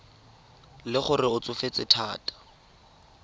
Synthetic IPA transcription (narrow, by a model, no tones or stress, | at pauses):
lɪχʊrɪʊt͡sʊfet͡sɪtʰaːtʼḁ